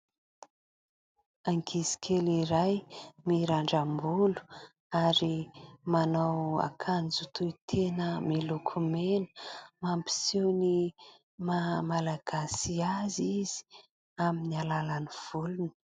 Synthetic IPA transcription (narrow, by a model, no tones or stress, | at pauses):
aŋkʰizi̥kʰʲeliɾajmiɾaɳɖ͡ʐambulu̥ | aɾimanawa̰kʰand͡zut̪ʰuit̪ʰenəmilukʰumenə̥mampi̥sewni | mamalaɡ̥asiaziz̥i̥ | aminialalaniv̥ulunə̥